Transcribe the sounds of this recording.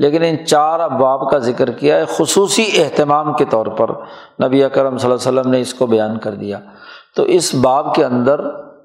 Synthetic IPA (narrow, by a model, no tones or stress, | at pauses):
leːkɪnɪt͡ʃaːɾabaːbkazɪkəɾkijaɛxʊsuːsieɦt̪ɪmaːmket̪ɔːɾpɐ̰ɾ | nɐbieɐkəɾəmsɐlaːsəlːəmneɪskobɐjaːnkɐɾd̪ijaː | t̪o̰ːʔɪsbaːbkeɐ̃nd̪əɾ